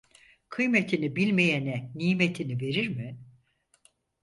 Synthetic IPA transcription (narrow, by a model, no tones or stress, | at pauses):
kʰɯjmet̪ʰinibilʲmejɛnɛnijmet̪ʰinive̞ɾiɾmɪ